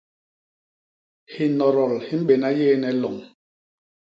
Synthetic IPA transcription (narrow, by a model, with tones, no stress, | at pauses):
hi˨nɔ˨ɾɔ˨lhi˦m̩˦ɓe˨na˦jeː˦nɛ˦lɔ˨ŋ